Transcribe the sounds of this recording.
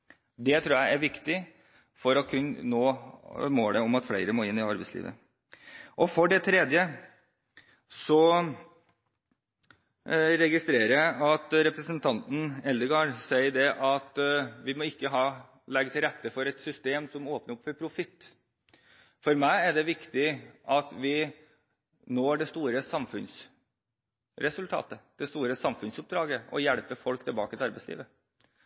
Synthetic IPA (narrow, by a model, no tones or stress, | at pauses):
d̪ɛt̪ʰɾuːjæɪæɾʋɪkt̪ɪ | fɔɾɔkʰʉnnoːmoːləɔmɑt̪flæɪɾəmoːɪnːɪɑɾbɛɪslḭːʋə̰ | ʔɔfɔɖɛt̪ʰɾɛd̪jə | sɔ | ɾɛɡɪst̪ɾeːɾəjæɪʔɑt̪ɾɛpɾəsənt̪ʰɑnt̪n̩ɛld̪əɡɑːɖsæɪəɖɛʔɑt̪ʋɪmɔɪkːəɦɑː | lɛɡt̪ʰɪlɾɛt̪ːəfɔɾɛt̪sʏst̪eːmsɔmoːpnəɾɔpfɔɾpʰɾʊfɪt̪ː | fɔɾmæɪæɖɛʋɪkt̪ɪʔɑt̪ʋɪ | noːɖɛst̪uːɾəsɑmfʉns | ɾɛsʉlt̪ʰɑ̰ːt̪əd̪̥ɛst̪uːɾəsɑmfʉnsʊp̚d̪ɾɑːɡəɔ̰jɛɭpəfɔlkt̪ʰɪlbɑ̰ːkət̪ʰɪɑɾbɛɪslḭːʋə